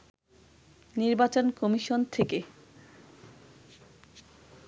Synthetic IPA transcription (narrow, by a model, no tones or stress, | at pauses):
niɾbat͡ɕonkɔmiʃont̪ʰeke